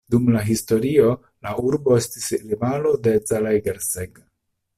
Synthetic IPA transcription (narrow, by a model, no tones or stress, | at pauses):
dumlaɦisto̞ɾio̞ | lauɾbo̞e̞stislivalode̞zalajɡeɾseɡ